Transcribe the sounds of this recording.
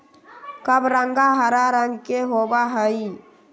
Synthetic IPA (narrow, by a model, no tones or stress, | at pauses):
kəbɾəŋɡaɦəɾaɾəŋɡkeɦobaɦəi